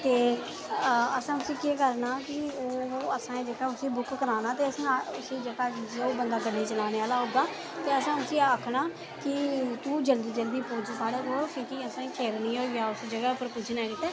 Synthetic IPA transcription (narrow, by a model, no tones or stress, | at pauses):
t̪eː | əsãːʊsĩːkikəɾnaːkɪoːəsãːd͡ʒəkaːʊsĩːbʊkkəɾaːnaːt̪eːəsãːʊsiːd͡ʒəɡaːd͡ʒeːoːbənd̪aːɡəɖeːt͡ʃəlaːneːaːlaːɦoːɡ̪aː | t̪eːəsãːʊsĩːəkʰnaː | kɪt̪uːd͡ʒəld̪iːd͡ʒəld̪iːpoːd͡ʒsaːɽeːkoːlkõːkiːəsãːkʰeːɾnĩːoːaːʊsd͡ʒəɡɛːpəɾkʊd͡ʒʰnɛːkɪt̪ɛː